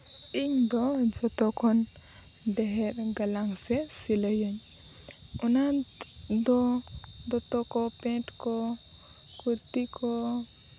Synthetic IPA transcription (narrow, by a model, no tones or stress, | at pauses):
ʔindɔd͡ʒɔtɔkɔn | dɛɦɛɗɔɡalaŋfɛ | filejɛn | ʔɔna | ndɔ | ndɔtɔkɔpɛntkɔ | kutikʰɔ